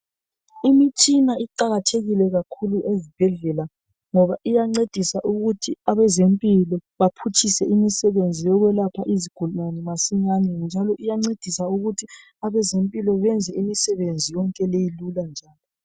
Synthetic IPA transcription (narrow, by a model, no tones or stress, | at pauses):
imit͡ʃʼinaiǃaɣatʰeɣilɛɣakʰuluʔezib̥ʱɛɮɛla | ŋɔβaʔijaŋ͡ǀed̥ʱisaʔuɣutʰiaβɛzempʼilɔβapʰut͡ʃʰʼisɛimisɛβend͡zʱijɔɣwɛlapʰaʔiziɡ̥ʱulumanɛmasiɲanɛnd͡ʒʱalɔʔijaŋ͡ǀed̥ʱisauɣutʰi | aβɛzempʼilɔβɛnd͡zʱɛimisɛβend͡zʱijɔŋkʼɛlejiluland͡ʒʱaːlɔ